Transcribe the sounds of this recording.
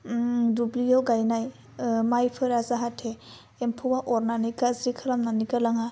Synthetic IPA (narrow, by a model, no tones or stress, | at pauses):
dublijawɡajnaj | majpʰɯɾazaɦatʰe | empʰuwaʔɔɾnanikazɾikʰɯlamnanikalaŋa